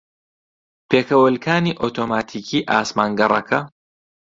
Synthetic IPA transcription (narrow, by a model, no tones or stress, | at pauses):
pʰeːkɐwɐlkʰaːniːʔoːt̪ʰoːmaːt̪ʰiːkʰiːʔaːsmaːŋɡɐrˤɐ̰kʰɐ